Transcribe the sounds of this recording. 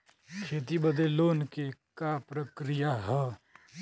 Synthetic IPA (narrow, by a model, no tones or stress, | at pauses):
kʰeːt̪ibəd̪eloːnkekapɾəkɾɪjaɦɛ